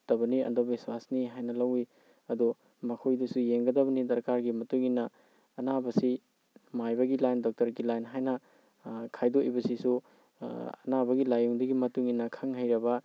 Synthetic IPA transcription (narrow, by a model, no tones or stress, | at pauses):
tɐbɐniɐ̰ndobiswasniɦajnɐlɐwi | ɐdu | mɐkʰojdɐsujeŋɡɐdɐβɐnidɐɾkaɾɡimɐtuŋinːɐː | nabɐsi | majbɐɡilajndɔk̚tɐɾɡilajnɦajnɐ | kʰajdoʔibɐsisu | ɐnabɐɡilajuŋdɐɡimɐtuŋinːɐkʰɐŋɦɐjɾɐbɐ